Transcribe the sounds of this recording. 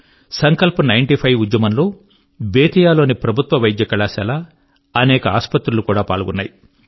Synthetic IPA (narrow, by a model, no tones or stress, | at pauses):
sɐŋkɐlpunɐjɳʈipʰɐjʋud̪jɐmɐnlo̞ː | beːt̪ijaːlo̞ːnipɾɐbʱut̪ʋɐʋɐjd̪jɐkɐɭaːsɛlaː | ɐnɛːkɐaːspɐt̪ɾulukuːɽaːpaːɭuɡunːaːji